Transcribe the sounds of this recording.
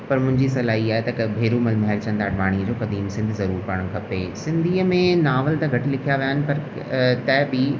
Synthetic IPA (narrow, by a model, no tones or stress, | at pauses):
pɐɾmʊ̃ɦɪ̃ɲd͡ʑisɐlaːɦiaːɦet̪ɐbʱeːɾumɐlmɦɛɾt͡ɕɐ̃nd̪aːɖʋaːɽ̃iəd͡ʑoːkɐd̪iːmsɪ̃nd̪ʱzɐɾuːɾpɐɽ̃ɽ̃kʰɐpeːsɪ̃nd̪ʱiːəmẽnaːʋəlt̪ɐɡʱɐʈɪlɪkʰijaʋijaːɦɪnɪ̆pɐɾ | t̪ɛɦbɪ